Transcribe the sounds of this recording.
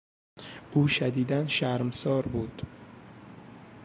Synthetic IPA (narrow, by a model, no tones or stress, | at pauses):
ʔuːʃæd̪iːd̪ænʃæɾmsɒːɾbuːd̪̥